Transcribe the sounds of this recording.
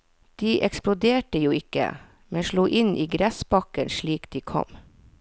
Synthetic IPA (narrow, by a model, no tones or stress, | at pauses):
d̪̥iːʔɛksplʊd̪eːʈəjuːɪkə̰ | mɛnʃluːʔɪnʔiːɡɾɛsbɑkənʃɭiːkd̪̥iːkʰɔ̰m